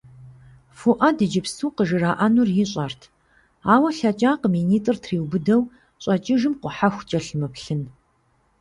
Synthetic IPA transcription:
fuʔɐdɨd͡ʒɪpsuːqəʒɨraːʔɐnurjɪɕʼɐrtʰ | aːwɐɬɐt͡ʃʼaːqəmiːniːtʼɨrtʰriːwbɨdɐw | ɕʼɐt͡ʃʼɪʒɨmqʷʊħaxʷt͡ʃʼɐɬmɨpɬɨn

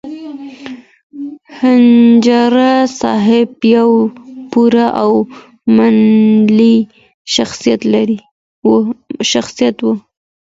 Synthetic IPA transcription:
hand͡ʒaɾasɑɦɪbjawpuɾaʔaw | manli | ʃaxsijat̪laɾi | ʃaxsijat̪wu

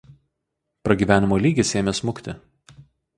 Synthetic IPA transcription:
pɾɐɡʲiːʋʲæːnʲɪmoːlʲiːɡʲɪsʲeːmʲesmʊkʲt̪ʲɪ

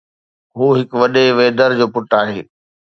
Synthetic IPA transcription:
ɦoːɦɪkʋɐɗeʋeːd̪əɾd͡ʑoːpʊʈaːɦeː

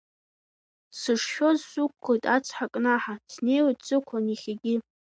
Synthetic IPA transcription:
sɨʂʃᶣozsukʷʰːojtʼat͡sʰħakʼnaħadʰne̞jwetʼd͡zʼɨkʷʰaniχʲaɡʲɪ

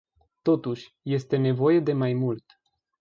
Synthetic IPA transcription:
t̪o̞t̪uʃʲ | je̞st̪e̞ne̞vo̞je̞d̪e̞majmult̪

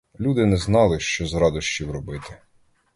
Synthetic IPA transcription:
lʲud̪ɪnɛznɑlˠɪʃt͡ʃɔzɾɑd̪ɔʃt͡ʃiwrɔbɪt̪ɪ̥

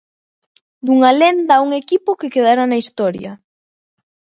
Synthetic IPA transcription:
d̪uŋalend̪auŋekipʊkekeð̞aɾanaist̪ɔɾjɐ

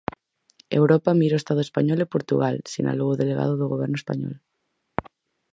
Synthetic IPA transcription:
ḛwɾɔpamiɾoest̪aðʊespaɲɔlepoɾt̪uɣalsḭna̰lowoðeleɣa̰ðʊðʊɣoβ̞ɛɾnʊespa̰ɲɔ̰l

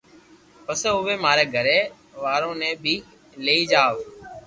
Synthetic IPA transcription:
pəseɦʊʋeːmaːɾeːɡʱəɾeː | ʋaːɾõːnẽːbʱiː | leːiːd͡ʒaːʋ

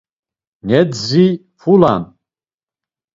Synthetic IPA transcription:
nedzij | fula̰n

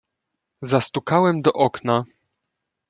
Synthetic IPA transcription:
zast̪ukawɛmd̪ɔʔɔkna

